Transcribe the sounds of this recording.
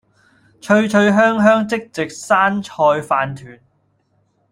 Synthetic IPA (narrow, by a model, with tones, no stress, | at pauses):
t͡ʃʰɵ˧ɥt͡ʃʰɵ˧ɥɦœː˥ŋɦœː˥ŋt͡sɪ˥k̚t͡sɪ˨k̚saː˥nt͡ʃʰɔː˧jfaː˧nt̪ʰyː˨˩n